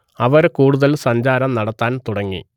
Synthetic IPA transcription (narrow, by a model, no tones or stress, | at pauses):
ɐʋɐɾkuːɽuðɐlsɐɲd͡ʑaːɾɐmnɐɽɐt̪ːaːnt̪uɽɐŋːḭ